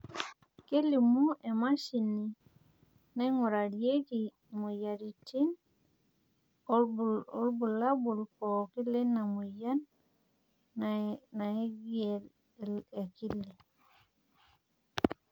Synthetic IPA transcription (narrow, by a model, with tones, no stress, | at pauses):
ke˦li˨mu˦ʔe˨ma˦ʃi˨nːi˨ | na˦jŋu˨ɾa˨ɾje˦ki˨ | mu˨ja˨ɾi˨ti˦n˦ | o˦lbu˨la˦bu˨lko˨ki˦lːe˦na˨mu˨ja˦n | na˨i˦ɡe˨l | le˨ki˦li˨